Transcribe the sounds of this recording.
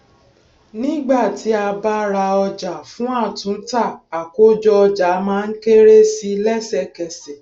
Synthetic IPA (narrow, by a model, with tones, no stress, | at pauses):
nĩ˦ɡ͡ba˦˨ti˨˦a˧ba˦ɾa˧ɔ˧d͡ʒa˨fũ˦a˦˨tũ˨˦n̩˦ta˦˨a˨ko˦d͡ʒɔ˦ɔ˧d͡ʒa˨˦mãː˦n̩˦ke˦ɾe˦si˦lɛ˦˨sɛ˦˨kɛ˨sɛ˨